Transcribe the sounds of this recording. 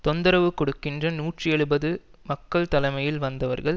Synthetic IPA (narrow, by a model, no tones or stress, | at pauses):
t̪ɔnd̪ɐɾɐʋɯkɔɽɯkːɪndrɐnuːʈriɛɻɯbɐðɯmɐkːɐɭt̪ɐlɐɪmɐjɪlʋɐnd̪ɐʋɐɾɣɐɭ